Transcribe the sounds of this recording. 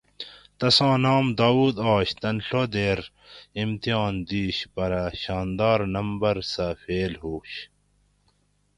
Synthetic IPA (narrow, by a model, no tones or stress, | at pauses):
t̪ɐsɑ̃ːnɑːmd̪aːwuːd̪ɑːɕt̪ɐnɬod̪eːɾ | imt̪ijɑːnd̪iːɕpɐɾɐɕɑːnd̪ɑːɾnɐmbɐɾsɐfeːlɦuːɕ